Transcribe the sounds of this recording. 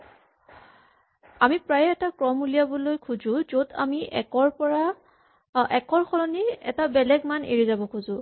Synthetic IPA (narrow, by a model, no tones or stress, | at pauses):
amipɹajɛtakɹɔmulijabɔlojkʰuzʊ̃zota̰miɛkɔɹpɔɹa | ɛkɔɹxʰɔlɔniɛ̰tabɛlɛɡmanḛɹizabɔkʰuzʊ̃